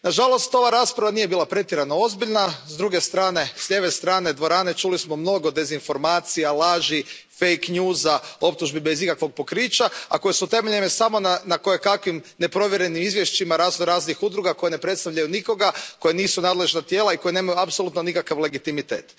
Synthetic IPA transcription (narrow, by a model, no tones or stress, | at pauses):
naʒalˠo̞st̪o̞ʋaɾaːspɾaʋanije̞biːlapɾe̞t̪jeɾanoo̞zbiʎnazd̪ɾuɡe̞st̪ɾaːne̞sʎe̞ʋe̞st̪ɾaːned̪ʋo̞ɾaːne̞t͡ʃulismo̞mno̞ɡo̞d̪e̞zinfo̞ɾmaːt̪sijalˠaːʒi | fejkɲjuːzao̞p̚t̪uʒbibe̞zikakʋo̞ɡ̚po̞kɾiːt͡ʃaa̰ko̞jesut̪e̞meʎenesamo̞nanako̞jekakʋimne̞pɾo̞ʋje̞ɾe̞nimizʋje̞ʃt͡ʃimaɾaːznoɾaːznixud̪ɾuɡako̞jene̞pɾet̪st̪aʋʎajuniko̞ɡako̞je̞niːsunaːd̪le̞ʒnat̪je̞ːlaiko̞jeneːmajuapsolut̪nonikakaʋle̞ɡit̪imit̪e̞ːt̪